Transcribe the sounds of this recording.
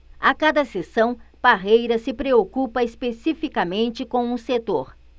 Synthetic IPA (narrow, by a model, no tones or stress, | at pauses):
akad̪ɐsesɐ̃w̃paɦejɾɐsɪpɾeokupɐespesifikɐmẽnt͡ʃɪkõw̃ʊ̃set̪oɾ